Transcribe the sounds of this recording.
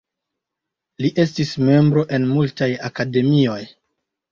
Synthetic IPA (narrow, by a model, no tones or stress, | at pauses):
liʔe̞stisme̞mbɾo̞ʔe̞nmultajakade̞mio̞j